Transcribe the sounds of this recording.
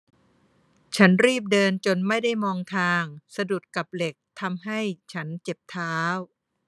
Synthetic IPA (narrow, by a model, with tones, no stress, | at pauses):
t͡ɕʰa˦˥nɾiː˥˩p̬̚dɤː˧nt͡ɕo˧nma˥˩jda˥˩jmɔː˧ŋt̪ʰaː˧ŋsa˧du˨˩t̪̚ka˨˩p̚le˨˩k̚t̪ʰa˧mɦa˥˩jt͡ɕʰa˦˥nt͡ɕe˨˩p̚t̪ʰaː˦˥w